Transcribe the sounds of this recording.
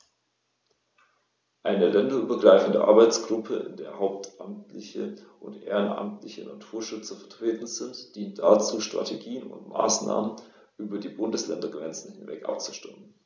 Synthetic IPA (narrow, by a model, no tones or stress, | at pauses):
ʔaɪnəlɛndɐʔyːbɐɡʁaɪfn̩də̰ʔa̰ɐbaɪt͡sɡ̥ʁʊpʰəʔɪ̰ndeːɐhaʊp̚tʔamtʰlɪçəʔʊntʔḛːʁənʔa̰mtlɪçəna̰tʰuːɐʃʏt͡sɐfɛɐtʁ̥eːtn̩zɪntd̥iːntd̥at͡suːʃtʁ̥a̰tʰeɡiːənʊ̰ntma̰ːsna̰ːmən | ʔyːbɐdiːbʊndəslɛndɐɡʁɛnt͡sn̩hɪnvɛ̰kʔa̰pt͡su̥ʃtɪmən